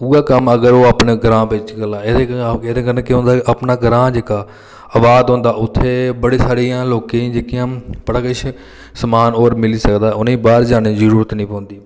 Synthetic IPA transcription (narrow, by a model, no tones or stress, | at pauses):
uːaːkəməɡəɾoːaːpneːɡɾãːpɪt͡ʃkəlaːed̪eːeːd̪eːkəɾənkɪɦõnd̪aːʔapnaːɡəɾãːd͡ʒeːkaː | əʋaːd̪ɦõːnd̪aːʊt̪ʰːeːbəɽeːsaːɽiːãːloːkeĩd͡ʒeːkɪjãːpəɽaːkɪʃʰ | səmaːnoːɾmɪliːsəkd̪aːʊnẽːbaːɾd͡ʒaːniːzəɾuːɾət̪nĩːpõːnd̪iː